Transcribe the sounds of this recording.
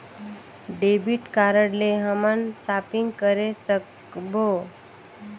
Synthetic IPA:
ɖebiʈkaɾəɽleɦəmansapiŋɡkəɾesək | bo

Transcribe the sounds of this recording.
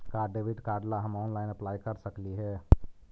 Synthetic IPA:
kaːɖeːʋɪɖkaːɾɖlaɦɐmɔːnlaːɪnəplaːjkəɾsəkliɦɛː

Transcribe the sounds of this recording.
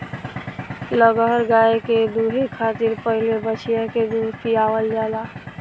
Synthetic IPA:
ləɡɾɡaːeked̪uːɦikʰaːt̪iɾpəɦɪlebət͡ʃʰijaked̪uːɾt̪iaːwəld͡ʒaːlaː

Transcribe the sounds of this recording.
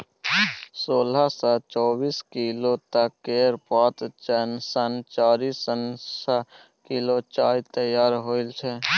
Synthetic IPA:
soːlasat͡ʃɔːbiːskilot̪əkːeːɾpaːt̪t͡ʃənsənt͡ʃaːɾisənsa | kilot͡ʃaːjt̪əjaːɾɦoːɪlt͡ʃʰɛ

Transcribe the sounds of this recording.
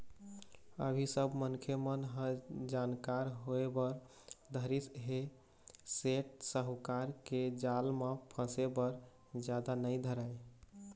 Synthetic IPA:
ə̰bʱisəbʱmənkʰemənɦəd͡ʒankaɾɦoebəɾ | d̪ʱəɾisɦe | seʈ̚səɦukaɾked͡ʒalmepʰə̃sebəɾ | d͡ʒad̪anəjd̪ʱəɾaj

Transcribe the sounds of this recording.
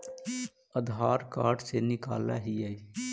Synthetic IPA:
əd̪ʱɦaːɾkaːɾɖsenɪka̰ːlːa̰ɦijəi

